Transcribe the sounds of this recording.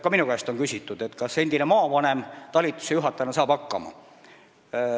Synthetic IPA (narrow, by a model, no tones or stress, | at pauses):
kɑminukæest̪o̞nkysʲit̪ːˑud̪̥e̞t̪kɑse̞nd̪̥inemɑːvɑne̞mt̪ɑlʲit̪ːˑu̥sejuɦɑt̪ːˑɑnɑsɑːb̥ɑkːɑ̰mɑ̰